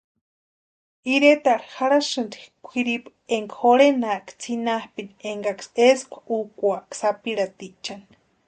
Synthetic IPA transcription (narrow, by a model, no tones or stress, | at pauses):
iɾet̪aɾixaɾaʃɨnd̪ikʷʰiɾip | eŋɡaxoɽenaʔkt͡sʰinahpinieŋɡakseskʷukʷaʔksapiɺat̪it͡ʃan